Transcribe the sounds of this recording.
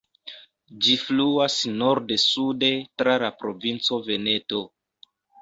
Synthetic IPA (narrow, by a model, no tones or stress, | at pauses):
d͡ʒifluasnoɾdesude̞tɾalapɾo̞vint͡so̞ve̞ne̞to̞